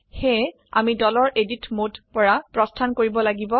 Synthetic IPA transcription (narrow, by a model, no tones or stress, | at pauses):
xe | a̰midɔlɔɹʔeditmodpɔɹapɹɔstʰankoɹibɔlaɡibɔ